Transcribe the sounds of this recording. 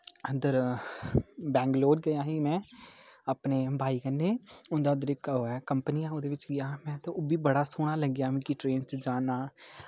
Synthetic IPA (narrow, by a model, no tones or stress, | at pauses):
ənd̪əɾ | bɛ̃ːŋɡloːɖ̚ɡəjãːɦiːmɛ̃ːəpneːbaːiːkənːeːʊ̃nd̪aːʊd̪əɾɪkoːɛːkəmpəniːãːod̪eːʋɪt͡ʃɡɪjaːmɛ̃ːt̪õoːbiːbəɽaːsoːɽ̃aːləɡjaːmɪ̃kiʈɾeːnt͡ʃd͡ʒaːnaː